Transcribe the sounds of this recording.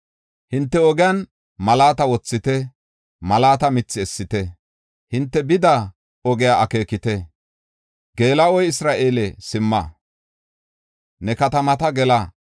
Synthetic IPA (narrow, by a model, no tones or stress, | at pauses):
hɪnt̪ːɛɔɡɪjan | mɐlaːt̪ɐwɔt͡sːɪt̪ɛ | mɐlaːt̪ɐmɪt͡sːɪɛsːɪt̪ɛ | hɪnt̪ːɛbɪd̪ɐ | ɔɡɪjaʔɐke̞ːkɪt̪ɛ | ɡe̞ːlɐɔjɪsɾaːʔeːlɛsɪmːɐ̰ | nɛkɐt̪ɐmɐt̪ɐɡɛlɐ